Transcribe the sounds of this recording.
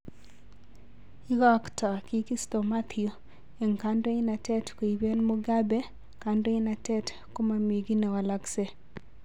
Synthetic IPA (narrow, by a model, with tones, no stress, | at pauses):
i˦ɡɔ˦kta˨ki˦ki˦sto˨ma˦t̪ʰio˨ | e˨ŋkando˦ɪ˦na˨tɛ˦tko˨i˨be˦nmo˦ɡa˦bɛ˦ | ka˨ndo˦ɪ˦na˨tɛ˦t | ko˦ma˨mi˨ɡi˦nɛ˨wa˨la˦kse˦